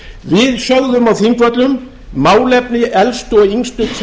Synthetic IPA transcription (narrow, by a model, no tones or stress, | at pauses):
vɪðsœwðʏmawθɪŋkvœt̪lʏm | mawlɛp̚nɪʔɛlst̪oiŋst̪ʏt̪ʰ